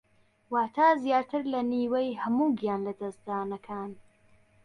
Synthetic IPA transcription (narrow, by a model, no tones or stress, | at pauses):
waːt̪ʰaːzjaːɾt̪ʰɨɾlɐniːwejhɐmuːɡijaːnlɐd̪ɐsd̪aːnɐkʰaːn